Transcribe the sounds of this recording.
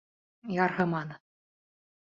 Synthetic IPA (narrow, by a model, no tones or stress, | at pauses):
jɑɾɦɤ̆mɑnɤ